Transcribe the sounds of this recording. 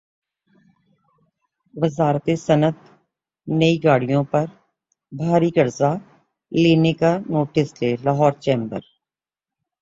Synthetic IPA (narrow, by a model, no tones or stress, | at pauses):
ʋɪzaːɾt̪esɐnət̪̚ | nɐiɡaːɽijõpɐɾ | bʱaːɾiɡɐɾza | leːnekanoːʈɪsleːlaɦɔːɾt͡ʃẽːmbə̰ɾ